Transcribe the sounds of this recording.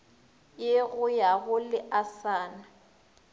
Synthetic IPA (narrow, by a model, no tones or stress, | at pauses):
jeɣʊjaɣʊlɪʔasaːna